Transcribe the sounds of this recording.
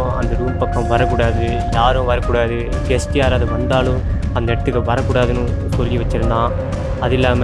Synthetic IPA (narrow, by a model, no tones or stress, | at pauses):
ɐ̰nd̪ɐɾuːmpɐkːɐ̃ʋɐɾɐkːuːɽaːðɯ | jaːɾɯ̃ʋɐɾɐkːuːɽaːðɯbɛsʈiaːɾaːðɯʋɐnd̪aːlʊ̃ | ɐnd̪ɐɛʈɐt̪ːɯkːɐʋɐɾɐkːuːɽaːðɯnɯ̃ | sɔlːiʋɐt͡ʃːɪɾɯnd̪ãː | ɐðɪlːaːm